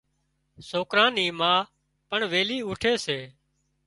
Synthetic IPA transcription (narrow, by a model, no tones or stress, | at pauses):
soːkɾãːniːmãː | pəɳʋeːliːuːʈʰeːseː